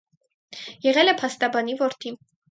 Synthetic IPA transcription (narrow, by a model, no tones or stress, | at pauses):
jɛʁɛlɛpʰɑst̪ɑbɑnivɔɾt̪ʰi